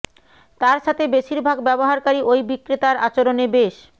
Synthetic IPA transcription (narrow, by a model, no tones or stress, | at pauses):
t̪aɾʃʰat̪ʰebeʃiɾbʱaɡbɛboɦaɾkaɾiʔojbikːɾit̪aɾat͡ɕoɾonebeʃ